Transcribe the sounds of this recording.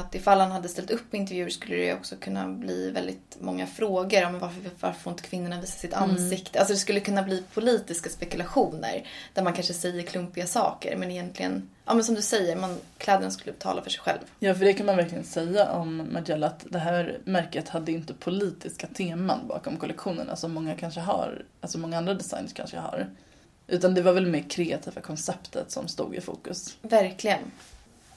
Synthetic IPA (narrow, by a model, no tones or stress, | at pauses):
at̪ɪfalːhanhad̪ːəst̪ɛlt̪ɵpːɪnt̪̬ɛɾvjʉ̟ːʂkɵlːəɾɛ̰ɔ̰ksɔkʰɵnːa̰blḭːvɛ̰ld̪ɪ̰t̪mɔŋːa̰fɾoːɡəɾɔmvaɾfva̰ɾfɪnt̪ə̥kʰvɪnːʊɳaviːsḁsɪt̪ansɪkt̪əalsɔd̪ɛskɵlːəkʰɵnːabliːpʰʊliːt̪ɪskaspɛkɵlaɧuːnə̰ɾd̪̥æɾmankʰanʂəsɛjːəɾkʰlɵmpɪɡasɑ̰ːkə̰ɾmɛnɪjɛnt̪lɪɡə̰nʔɑ̰ːmɛnsɔmd̪ɵsɛjːəɾmankʰlɛːd̪əɳaskɵlːəbɛt̪ʰɑ̰ːlafœʂɛjɧɛ̰lvjɑːfœɖɛkʰanmanvæɾklɪɡə̰nsɛjːaʔɔmːʔad̪ɛlːat̪d̪ɛɦæːɾmæɾkət̪had̪ːəɪnt̪əpʰʊliːt̪ɪskat̪ʰeːmanbɑ̰ːkɔmkʰɔlɛkɧuːnə̰na̰sɔmːɔŋːakʰanʂəɦa̰ɾalsɔmɔŋːaand̪ɾad̪ɛsa̰jnəʂkʰa̰nʂə̰ha̰ɾ | ʔʉ̟ːt̪and̪ɛvaɾvɛlmeːɾkʰɾɛːat̪ʰiːvakʰɔnsɛpt̪ʰə̰t̪sɔ̰mst̪ṵːɡɪ̰fṵːkɵsvæɾklɪɡən